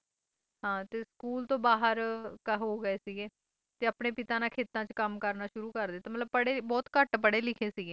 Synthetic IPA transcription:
ɦãːt̪eːskuːlt̪õːbaːɦəɾkəɦoːɡəeːsiɡeː | t̪eːapɳeːpɪt̪ãːnãːkʰeːt̪ãːt͡ʃkəmkəɾnaːʃʊɾuːkəɾd̪eːt̪aːmət̪ləb̚pəɽeːbɔːt̪kəʈpəɽeːlɪkʰeːsiɡeː

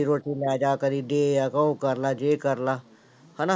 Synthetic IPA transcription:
iːɾoːʈiːlaːd͡ʒaːkəɾiːɖeːjaːkəũkəɾlaːd͡ʒeːkəɾlaː | hana

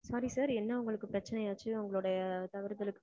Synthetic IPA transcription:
sɐɾisaːɾɛnːɐʊŋɡɐɭɯkːɯpɾɐt͡ʃːɐnɐjaːt͡ʃːɯʊŋɡɐɭɯɽɐjɐt̪ɐʋɪɾðɐlɯkː

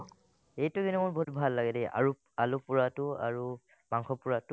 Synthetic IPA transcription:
ejtʊɡinɔmʊɹbʱotbʱalːaɡɛdɛɹu | alʊpʊɹatʊa̰ɹu | maŋxɔpʊɹatʊ

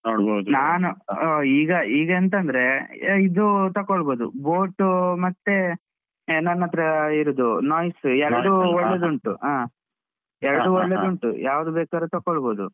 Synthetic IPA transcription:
noɽbod̪naːnuoiːɡɐiːɡeːnt̪̬ɐnd̪ɾe̞id̪ut̪ɐkːɔɭboːd̪ṵboːʈːumɐt̪ːe̞ | nːɐnːɐt̪ɾɐiɾud̪unaːjsuɛɾɐuɔɭːed̪uɳʈuaː | ɛɾɐɖuɔɭːed̪uɳʈṵjaːʋd̪ubɛːkaːɾet̪ɐkːɔɭboːd̪u

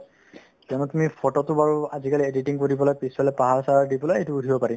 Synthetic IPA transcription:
kiɔnutumipʰɔtɔtʊbaɹuazikalieditiŋkoɹibɔlɔjpisɔlɛpaɦaɹsaɹaɹdibɔlojejtʊːdʱibɔpaɹi

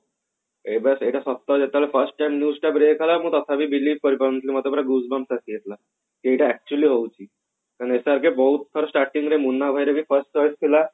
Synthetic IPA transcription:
ebɛseʈasɔt̪ːad͡ʑet̪alefəɾsʈʈajmnjuːsʈabɾekʰalaməːt̪ɔt̪ʰabʱiːbiliːʋkəɾipəɾənt̪limat̪ɔbəɾaɡusbamsasijet̪la | k̪ieʈaɛk̚t͡ɕuəliɦowt͡ɕi | kanesaɾkeboɦut̪t̪ʰɔɾɔsʈaɾʈĩŋɡɾemunːabʱajɾebʱiːfəɾsʈt͡ʃɔjst̪ʰila

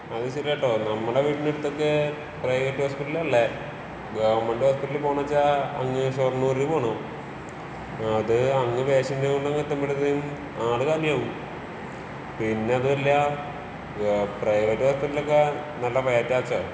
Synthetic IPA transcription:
ɐðɨt͡ɕiɾɐʈːoːnɐmːɐɽeʋiːʈːineɽut̪ːo̞kːe | prɐjʋɐʈːuhoːspiʈːɐlɐlːe | ɡɐʋɐɳmeɳɖɨhoːspiʈːɐlpoːɳɐɐt͡ɕːaɐ̰ŋːɨɕornːuːɾipoːɳo | ɐðɨɐŋːɨpeːɕɐndeoɳɖɐŋːɨt̪ːɐmːiɽɐðejum | aːɽɨkaːliaːʋu | pinːe̞ɐðɨɐlːɐ | prɐjʋɐʈːɦoːspiʈːɐlokːe | nɐlːɐpɐjaːɾitːaːt͡ɕːa

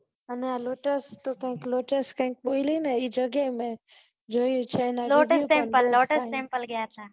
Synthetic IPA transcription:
ənealoːʈəst̪okə̃ɦĩkloːʈəskə̃ɦĩk̚ɓoilinaid͡ʒəɡemẽ | d͡ʒojjũt͡ʃʰenaloʈesẽmpəlːoːʈəsẽmpəlɡəjat̪ʰa

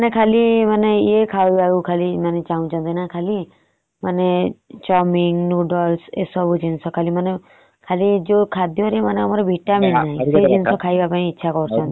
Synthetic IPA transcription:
manekʰalimaneekʰaʋibaukʰalimaned͡ʒaũt͡ʃʰɔ̃nt̪inakʰali | manet͡ʃɔmiŋɡnuɖɔlsḛsɔbud͡ʒinsɔkʰalimane | kʰalid͡ʒokʰad̪jɔɾiemaneɔmaɾɔbʱiʈaminnaɦĩsed͡ʒinsɔkʰajbapãĩitːʃʰakɔɾut͡ʃʰɔ̃nt̪i

